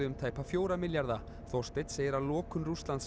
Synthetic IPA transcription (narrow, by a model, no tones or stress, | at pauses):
ʏʏmt̪ʰaːjpafjoːwɾamɪljaɾða | θɔstɪt̪sɛɾalɔːkʏmrust̪lant̪s